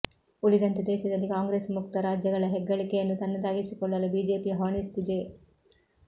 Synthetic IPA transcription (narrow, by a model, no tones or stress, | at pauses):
ulid̪ɐnt̪ed̪ɛːʃɐd̪ɐlːikaːŋɡɾeːsmukt̪ɐɾaːd͡ʒjɐɡɐɭɐɦɛɡːɐɭikejɐnːut̪ɐnːɐd̪aːɡisikɔɭːɐlubiːd͡ʒe̞ːpiɦɐːɳist̪id̪e